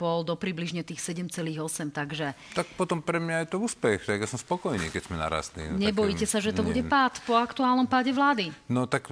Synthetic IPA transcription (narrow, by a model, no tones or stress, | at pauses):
b̥ɔld̪ɔpɾibliʒɲɛt̪iːxsɛɟɛmt͡sɛliːɣɔsɛmt̪aɡʒɛt̪ak̚pɔt̪ɔmpɾɛmɲajɛt̪ɔuːspɛxt̪aɡjasɔmspɔkɔjnḭːkɛcz̥mɛna̰ɾa̰st̪nḭːɲɛɛbɔjiːcɛsaʒɛt̪ɔbuɟɛpat̪pɔakt̪uaːlnɔmpaɟɛʋlaːd̪inɔt̪ak